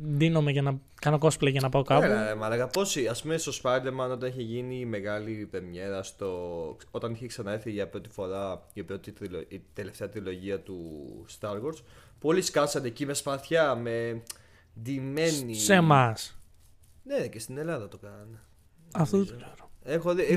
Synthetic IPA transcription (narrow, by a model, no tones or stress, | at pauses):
ðino̞meʝɐnɐ | kɐno̞ko̞splɐʝɐnɐpaokɐpelɐemɐlɐɣɐpo̞siɐspumest̪o̞spɐjd̪eɾmɐno̞t̪ɐneçeʝinime̞ɣɐlipemɲe̞ɾɐst̪o̞ | ot̪ɐniçeksɐnɐeɾθiʝɐpɾo̞t̪i̥fo̞ɾɐipɾo̞t̪it̪ɾilot̪ele̞ft̪e̞ɐt̪ɾilo̞ʝiɐt̪ust̪ɐɾɣoɾspoliskɐsɐnecimespɐθçɐme̞ | d̪ime̞nise̞mɐs | necest̪ine̞lɐðɐt̪o̞kɐnɐne | ɐft̪oðet̪oɡzeɾoexoð